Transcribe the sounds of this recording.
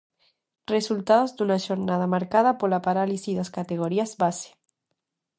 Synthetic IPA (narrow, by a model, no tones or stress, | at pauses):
result̪aðozd̪unaʃoɾnað̞amaɾkað̞apolapaɾalisiðaskat̪eɣ̞oɾiazbase̥